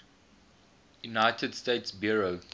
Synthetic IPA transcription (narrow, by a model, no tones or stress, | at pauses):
junaɪtʰədsteɪtsbjɔɹo